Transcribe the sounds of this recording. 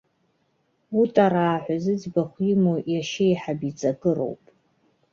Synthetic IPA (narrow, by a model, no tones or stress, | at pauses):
utʼaɾaːħʷᶣazɨd͡zbaχʷjimojaʃɪjħabit͡sʼaɡɨro̰wpʼ